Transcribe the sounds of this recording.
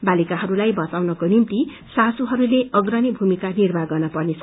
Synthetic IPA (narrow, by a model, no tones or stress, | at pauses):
balikaɦʌɾulajbʌt͡sawnʌkonimt̪i | sasuɦʌɾuleʌɡrʌnibʱumikanirbʱaɡʌnʌpʌrnet͡sʰʌ